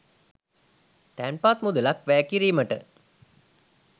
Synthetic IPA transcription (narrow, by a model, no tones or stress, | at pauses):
t̪ænpaːt̪mud̪ulakʋæːkiɾiːməʈə